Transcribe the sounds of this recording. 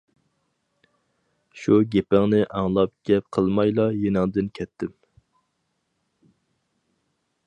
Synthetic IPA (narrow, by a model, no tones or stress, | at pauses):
ʃuɡʲepæŋnɪʔɑŋlˠɑp̚ɡ̥ʲɛp̚qʰəlˠmɑjlˠɑjenɪŋd̪ɪnkʲʰɛt̪ʰːɪm